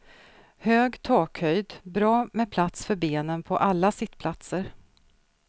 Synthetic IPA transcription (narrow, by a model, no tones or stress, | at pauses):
høːɡt̪ʰɑːkhœjd̪bɾɑːmɛpʰlat̪sfœɾbeːnənpʰɔʔalːasɪt̪ːpʰlat̪səɾ